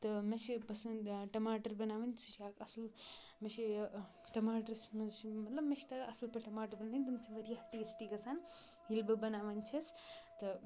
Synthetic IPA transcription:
t̪ɨmeʃipɐsɐnʈɐmaːʈɐɾbɐnaːʋɐnt͡ʃiʃjaːkɐsɐl | meʃi | ʈɐmaːʈɐɾsmɐʃimɐt̪lɐbmeʃt̪ɐɡʔɐsɐlpɐʈɐmaːʈɐɾbɐnnint̪ɐmsiʋɐɾijaːt̪iisʈiɡɐsaːn | ilbɐbɐnaːʋɐnt͡ʃʰɐst̪ɨ

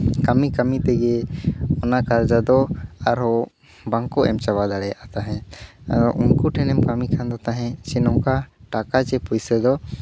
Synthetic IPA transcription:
kamikamit̪ɛɡɛɔnakaɾd͡ʒad̪ɔaɾɦɔ | baŋkɔʔɛ̰mt͡ʃabad̪aɽɛjaʔt̪aɦɛ̃a̰ɾɔʔunkuʈʰɛnɛmkamikʰand̪ɔt̪aɦɛ̃t͡ʃɛnɔkaʈakat͡ʃɛpujsɛd̪ɔ

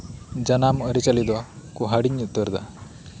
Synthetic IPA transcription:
d͡ʑanaməɾit͡salid̪akuɦaɽiɲut̪ːəɾd̪a̰

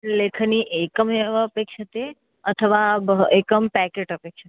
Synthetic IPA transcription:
lekʰniʔekəməpekʃət̪e | ət̪ʰəʋabekəmpɛkeʈəpekʃʰət̪e

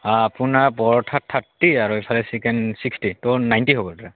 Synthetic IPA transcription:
aapunaɹbɔɹɔtʰatʰːatːiaɹuipʰalɛsikɛnsikstitɔnajntiɦobɔltaɹa

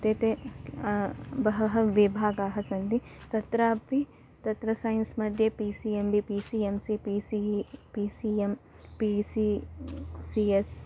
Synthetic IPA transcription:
t̪eːt̪e | bɐɦɐɦɐʋibʱaːɡaːɦɐsɐnd̪it̪ɐt̪ɾaːpi | t̪ɐt̪ɾɐsaːjnsmɐd̪ʱjɐpiːsiembipisiːemsipisipiːsiːem | pisi | sies

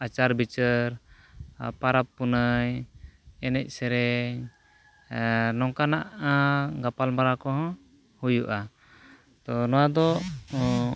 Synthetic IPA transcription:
at͡ʃaɾbit͡ʃəɾ | paɾapːunəɲ | ɛnɛc̚ˀsɛɾɛɲ | nɔŋkanaʔɡapalmaɾakɔɦɔ̃ | hujuʔa | t̪ɔnɔwad̪ɔ

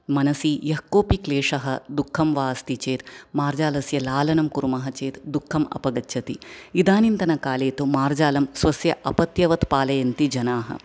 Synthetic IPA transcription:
mɐnɐsijɐɦkoːpikleːʂɐɦɐd̪ukʰːɐmʋaːst̪it͡ʃeːt̪maːɾd͡ʒaːlɐsjɐlaːlɐnɐmkuɾumɐɦɐt͡ʃeːt̪d̪ukʰːɐmɐ̰pɐɡɐtːt͡ʃʰɐt̪iid̪aːnint̪ɐnɐkaːleːt̪umaːɾd͡ʒaːlɐmsʋɐsjɐʔɐpɐt̪jɐʋɐt̪paːlɐjɐnt̪id͡ʒɐnaːɦɐ̰

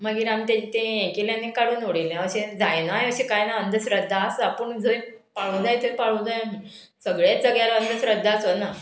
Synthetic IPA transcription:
məɡiːɾamit̪at͡ɕit̪ẽẽkeljãnːekaɽuːnoɽilãəɕẽd͡zajnajəɕẽkajnaənd̪ʱəsɾəd̪ʱːaːsapəɳd͡zəj | paɭũd͡zajt̪ʰəjpaɭũd͡zajɦ | səɡɭjasəɡɭjalaənd̪ʱəɕɾəd̪ʱːasona

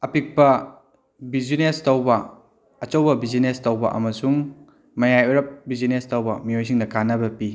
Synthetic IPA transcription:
ɐpik̚pɐ | bizinestɐwbɐ | ɐt͡ʃɐwbɐbizinestɐwbɐ̰ʔɐ̰mɐsuŋ | mɐjajuɾɐp̚bizinestɐwbɐmiojs̬iŋdɐkanɐbɐpi

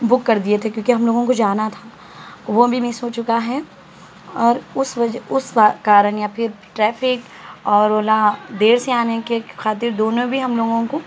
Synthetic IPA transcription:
bʊkːɐɾd̪iet̪ʰekjõːkiɦɐmloːɡõkod͡ʒaːnat̪ʰaː | ʋobʱimɪsɦoːt͡ʃʊkaɦɛ | ɔːɾʊsʋɐd͡ʒʊsakaːɾənjapʰɪɾʈɾɛːfɪk | ɔːɾoːlad̪eːɽseaːnekexaːt̪ɪɾd̪oːnõbʱiɦɐmloːɡõko

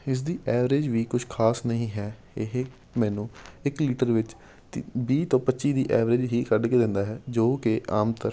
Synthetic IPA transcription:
ɪs̬d̪iːʔɛːʋɾeːd͡ʒʋiːkʊʃʰkʰaːsnəɦĩːɦɛː | ɪɦe | mɛ̃ːnũːɪkliːʈəɾʋɪt͡ʃ̪ | biːt̪õːpətːʃiːd̪iːʔɛːʋɾeːd͡ʒɦiːkəɾɖkeːd̪ɪ̃nd̪aːɦɛːd͡ʒoːkɪʔaːmt̪əɾ

